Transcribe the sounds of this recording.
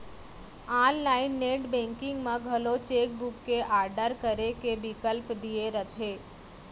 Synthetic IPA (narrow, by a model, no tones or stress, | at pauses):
aːnlaːɪnːeːʈbẽŋkɪ̃ŋɡmãɡʱəlot͡ʃeːk̚bʊkːeʔaːɾɖəɾkəɾekebɪkəlpd̪ieɾət̪ʰeː